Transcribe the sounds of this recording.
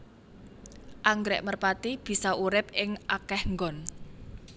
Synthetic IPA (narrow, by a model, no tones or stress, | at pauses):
ʔaŋɡɾɛ̰ʔmərpat̪ib̥i̤sɔʔuɾɪp̚ɪŋʔakɛhŋɡɔn